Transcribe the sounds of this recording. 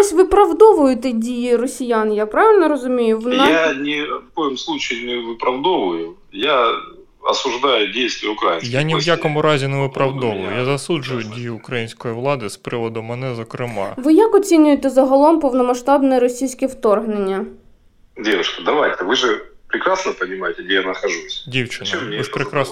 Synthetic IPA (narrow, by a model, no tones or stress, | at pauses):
sʲʋɪpɾɐʋd̪ɔʋʊjʊt̪ɛdʲijirɔsʲijanjapɾaʋʲɪlʲnɔɾɔzʊmʲijʊʋnɛjanʲɪfkojɪmslˠut͡ɕɪɪnʲɪvɨpɾɐvd̪oʋʊjʊ | ja | ɐ̰sʊʐd̪ajʊdʲejst̪ʋʲɪjəʊkɾajinkjaɐnʲɪʋjakɔmʊɾazʲɪnɛʋɨpɾɐʋd̪ɔʋʊjʊ̰jazɐsuʐʊjʊdʲijʊːkɾɐjinʲsʲkɔjivlˠad̪ɨspɾɪʋɔd̪ʊːɛnɛzɔkɾɪma̰ʋɪjakɔt͡sʲinʲʊjet̪ɛzɐɦɔlˠɔmpɔwnɔmɐʃt̪ɑbnɛɾɔsʲijsʲkʲɛwt̪ɔrɦnenʲːɐ | dʲe̞ʋʊʂkɐd̪ɐʋajʲt̪ɐvɨʐɨpɾʲɪkɾasnəpənʲɪmajɪtʲɪɡdʲejanəxɐʐusʲdʲiwt͡ʃɪnɐɛɨʃpɾʲɪkɾas